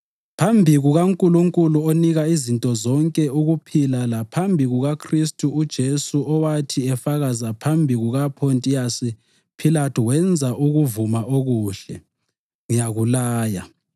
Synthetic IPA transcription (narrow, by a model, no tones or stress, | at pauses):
pʰambʱiɣuɣaŋkʼuluŋkʼuluoniɣaizintʼɔzɔŋkʼɛuɣupʰilalapʰambʱiɣuɣakʰristʼuːd̥ʒ̥ʱesuʔɔwatʰiɛfaɣazapʰambʱiɣuɣapʰontʼijasi | pʰilatʰuwɛnd͡zʱaʔuɣuvumaʔoɣuːɬɛ | ŋijaɣulaːja̰